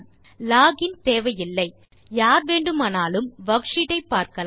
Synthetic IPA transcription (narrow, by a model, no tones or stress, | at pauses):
laːɣɪnt̪eːʋɐjɪlːɐɪ | jaːɾʋeːɳɖɯmɐnaːlɯmʋɐɣʂɪɽɐɪpːaːɾkɐl